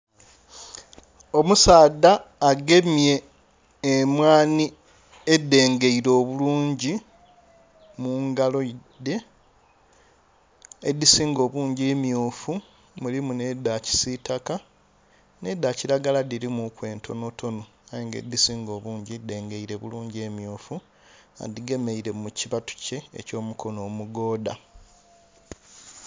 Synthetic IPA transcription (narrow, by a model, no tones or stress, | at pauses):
o̞musaːdːaːɡe̞mje̞ː | mwaːni | edːe̞ːŋɡe̞iɾo̞ːβuluːɲɟi | muːŋɡalo̞id̪ːe̞ | ed̪isiːŋɡo̞ːβuːɲɟimjoːfu | mulimune̞daci̥sitaka | ne̞dːaciɾaɡaladiɾimukwe̞ːntʰo̞no̞to̞no | ajeːŋɡe̞̰d̪ːisiːŋɡo̞ːβuːɲɟide̞ːŋɡe̞iɾe̞βuluːɲɟe̞mjoːfu | a̰diɡe̞me̞iɾe̞muciβatu̥ce̞̰ːco̞ːmukʰo̞no̞ːmuɡo̞ːda̰